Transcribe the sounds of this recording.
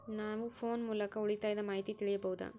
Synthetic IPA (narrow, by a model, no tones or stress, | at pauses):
naːʋɯfoːnmuːlɐkːɐʊɭɪt̪ːaːjðɐmajt̪ːit̪ɪɭɪjɐpoːɯða̰ː